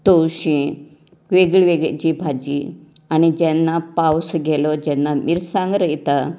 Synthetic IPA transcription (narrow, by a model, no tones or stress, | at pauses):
t̪owɕĩ | ʋeɡɭʋeɡɭd͡ʑibʱad͡ʑi | añid͡ʑɛnːapawsɡʱɛlɔd͡ʑɛnːamiɾsãŋɡɾəjt̪a